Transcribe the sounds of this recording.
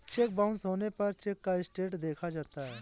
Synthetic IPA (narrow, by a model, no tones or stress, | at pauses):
t͡ʃek̚bãʊnsɦoːnepɐɾt͡ʃekːaɪsʈeːʈd̪eːkʰad͡ʒaːt̪aɦɛː